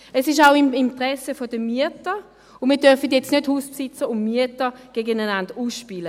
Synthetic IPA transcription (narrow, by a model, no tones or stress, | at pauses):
ɛsɪʃaʊɪmintʁɛsəfodəmyətə | ʊnmiːɐdœɐfət̬jɛt͡stnøthuːspsɪt͡səʊmmyətəɡ̥eːɡənananduːsʃpiːlə